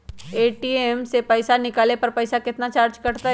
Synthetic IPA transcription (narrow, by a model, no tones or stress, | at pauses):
eːʈiːemsepɐɪsanɪkaːlepɐɾpɐjsakɪt̪nat͡ʃaːɾd͡ʒkɐɽt̪aɦ